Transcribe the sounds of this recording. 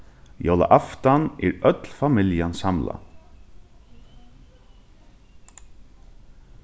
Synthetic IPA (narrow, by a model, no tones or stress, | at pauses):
jɔlɑ̰ʔɑft̪anʔeːɹœt̪lfɑmɪljənsɑmla̰